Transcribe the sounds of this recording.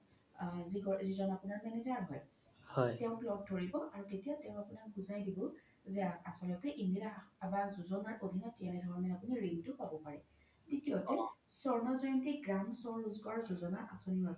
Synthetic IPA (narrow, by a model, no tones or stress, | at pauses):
ziɡɔzizɔnapʊnaɹmɛnezaɹɦɔj | hɔjtɛʊ̃plɔɡ̚tʰoɹibɔʔaɹuketijatɛʊ̃apʊnakɡuzajdibɔ | zɛaasɔlɔtɛʔindiɹaabazuzɔnaɹʔodʱinatiɛnɛdʱɔɹɔmɛapʊniɹiŋtʊpabɔpaɹɛ | tetiatɛsɔɹnazɔjntiɡɹamsɔɹluzkɔɹaɹzozɔnaʔasoniaz